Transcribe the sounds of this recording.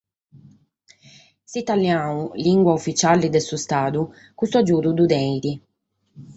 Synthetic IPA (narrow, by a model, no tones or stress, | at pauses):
sit̪aljauliŋɡwaufːit͡ʃalid̪ɛsust̪aːd̪u | kust̪uad͡ʒuːd̪ud̪ud̪ɛɾi